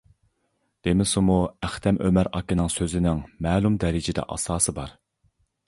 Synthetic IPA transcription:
d̪̥emɪsumuæχt̪ʰɛmʔømæɾɑ̰kinɨŋsøzɪnɪŋmɛːlˠumd̪ɛɾɪd͡ʒɪd̪ɛ̰ʔɑ̰sɑːsɨbɑɾ

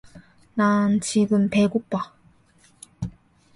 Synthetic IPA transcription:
nant͡ɕiɡɯmpeɡuk̚p͈a

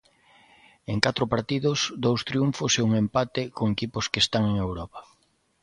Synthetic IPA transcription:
eŋkat̪ɾʊpaɾt̪iðʊsd̪owst̪ɾjuɱfʊseuŋempat̪ɪkoŋekipʊskest̪aŋeŋewɾɔpḁ

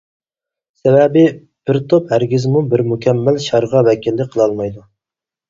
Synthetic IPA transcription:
sɛvɛbɪ | b̥ɪɾt̪ʰophæɾɡʲizmubɪɾmukʲʰɛmːælʃɑɾʁɑvɛkʲilːɪqʰəlˠɑlˠmɑjd̪u

